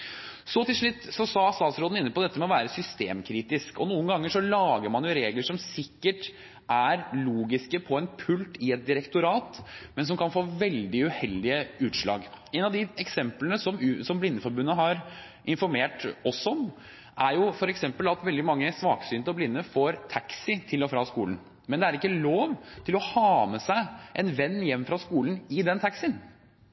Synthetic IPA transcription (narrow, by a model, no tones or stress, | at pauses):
sɔt̪ɪlʂɭʉt̪ːsɔsɑst̪ɑːt̪sɾoːd̪n̩ɪnːəpʰɔd̪ɛt̪ːəmɛɔʋæːɾəsʏst̪eːmkʰɾiːt̪ɪskɔnuːənɡɑŋːəʂɔlɑːɡəɾmɑnjʊɾeːɡləʂɔmsɪkːəʈ | ʔæɾluːɡɪskəpʰɔɛnpʰʉlt̪ɪɛt̪̚d̪ɪɾɛkt̪ʊɾɑːt̪mɛns̬ɔmkʰɑnfoːʋɛld̪ɪʉhɛld̪ɪəʉːt̪ʂɭɑ̰ːɡɛɪnɑʋd̪ɪɛksɛmplənəsɔmsɔmblɪnːəfɔɾbʉnːəɦɑɾ | ʔɪnfɔɾmeːʈɔsɔɔm | ʔæɾjʊfɔɾɛksɛmpəlɑt̪ʋɛld̪ɪmɑŋːəsʋɑːksyːnt̪əɔblɪnːəfoːɾt̪ʰɑksɪt̪ʰɪlɔfɾɑːskuːlən | mɛnd̪ɛæɾɪkːəloːʋt̪ʰɪlɔhɑːməsæɪʔɛnʋɛnːjɛmːfɾɑskuːlən̩ɪd̪ɛnt̪ʰɑksɪn